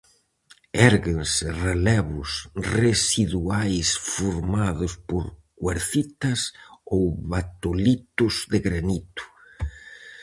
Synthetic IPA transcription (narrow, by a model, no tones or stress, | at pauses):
ɛɾɣɪnsɪrelɛβʊsresiðuajsfuɾmaðʊspoɾkweɾθit̪ɐsowβat̪olit̪ʊzðɪɣɾanit̪ʊ̥